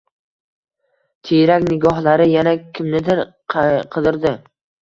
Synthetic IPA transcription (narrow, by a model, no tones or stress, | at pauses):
t̪ʰejɾakʲnɪɡɒɦlaɾɪjanakʲʰɪmnɪd̪ɪɾ | qʰɨzɪɾd̪ɪ